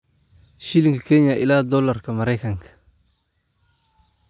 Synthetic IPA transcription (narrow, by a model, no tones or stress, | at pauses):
ʃiliŋɡəkeɲaʔiladolaɾkamaɾakaŋk